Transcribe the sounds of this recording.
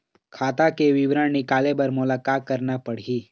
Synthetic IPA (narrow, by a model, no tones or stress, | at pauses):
kʰaːt̪akeʋɪʋɾəɳnɪkaːlepɐɾmʊlaːkaːt̪̚kɐɾnapɐɽ̤iː